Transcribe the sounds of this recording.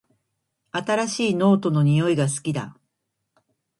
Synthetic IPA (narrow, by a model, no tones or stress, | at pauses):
at̪aɾaɕiːno̞ːt̪o̞no̞ɲ̟ijo̞iɡasɨ̥kʲid̪a̰